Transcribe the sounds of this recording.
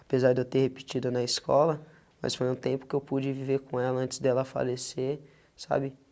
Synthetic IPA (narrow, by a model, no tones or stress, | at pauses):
apezaɾd̪ewt̪ehepi̥t͡ʃid̪ʊnɐiskɔ̰lɐ | mɐ̰sfojũt̪ẽpʊ̥kɪewpud͡ʒɪviveɾkõɛlɐɐ̃t͡ʃɪ̥zd̪ɛlɐfa̰lese | sa̰bɪ